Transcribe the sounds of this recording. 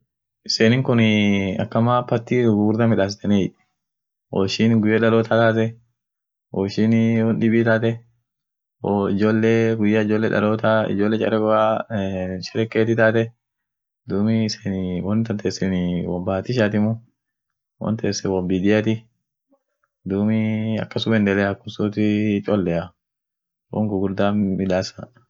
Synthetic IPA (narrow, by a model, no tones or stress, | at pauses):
ʔɪseːnɪŋkʊnɪɐ̰kːɐmaːpɐt̪ːiɡuɾd̪ɐmɪᶑaːs̬ɪt̪ɐniᶑ | wɔ̰ʃɪnɡʊjːɐᶑɐloːt̪at̪aːt̪̬ɛ | wɔʃɪnwɔnᶑɪbiːt̪aːt̪ɛ | woɪd͡ʒoːlːeɡʊjːɐɪd͡ʒoːlːɛᶑɐ̰loːt̪aɪ̰d͡ʒoːlːɛt͡ʃʼɐ̰ɾɛɡʊa | ʃɛɾɛkːeːt̪ɪt̪aːt̪ɛ | d̪uːmɪsɛnwɔnt̪ɐnt̪ʰeːsɛnɪwɔmbaat̪ɪʃ̬aːt̪ɪmʊ | wɔ̰nt̪eːsːɛwɔmbɪd̪ɪjat̪ɪ | d̪uːmɪɐ̰kːɐsʊmɛnd̪ɛlɛɐkːʊsot̪ɪt͡ʃʼɔlːɛjɐ | wɔ̰ŋɡʊɡʊɾd̪aːmɪᶑ̪aːsɐ̰